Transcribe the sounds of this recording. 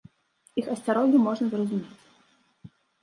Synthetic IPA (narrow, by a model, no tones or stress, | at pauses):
ixɐsʲt͡sʲaɾɔd̪ʲumɔʐnɐzrɐzumʲet͡sʲ